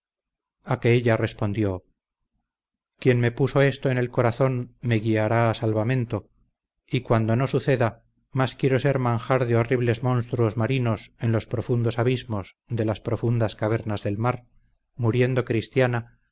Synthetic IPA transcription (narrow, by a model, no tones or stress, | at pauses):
akeeʎare̞spo̞nd̪jo̞ | kje̞nme̞puso̞e̞st̪oene̞lko̞ɾaθo̞nme̞ɣiaɾaːsalβamẽ̞nt̪o | ikwand̪ono̞suθe̞ða | maskje̞ɾo̞se̞ɾmãŋxaɾðeo̞riβ̞le̞zmo̞nst̪ɾuozmaɾino̞se̞nlo̞spɾo̞fund̪osaβizmo̞s | d̪e̞laspɾo̞fund̪askaβ̞e̞ɾnazðe̞lmaɾ | muɾje̞nd̪o̞kɾist̪jana